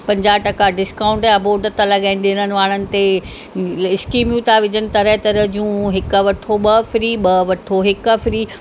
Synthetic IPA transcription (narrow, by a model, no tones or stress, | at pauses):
pɐ̃ɲd͡ʑaːʈɐkaɖɪskaːʊ̃ɳʈɐboːɖət̪alɐɠaːɪn̆ɗeːnənɪ̆ʋaːɽ̃ənɪ̆t̪e | ɪskiːmjũt̪ʰaʋɪd͡ʑənɪ̆t̪ɐɾəɦt̪ɐɾəd͡ʑiũːɦɪkəʋɐʈʰoɓɐfɾiːɓɐʋɐʈʰoɦɪkəfɾiː